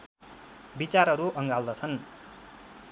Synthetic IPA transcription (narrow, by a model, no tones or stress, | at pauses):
bit͡saɾʌɾuʔʌŋɡald̪ʌt͡sʰʌn